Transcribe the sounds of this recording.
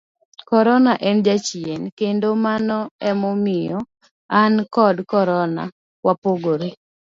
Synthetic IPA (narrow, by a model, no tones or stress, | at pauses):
kɔɾɔnaʔɛnd͡ʒat͡ʃienkendomanɔɛmɔmɪjɔ | ankɔdkɔɾɔna̰ | wapoɡoɾe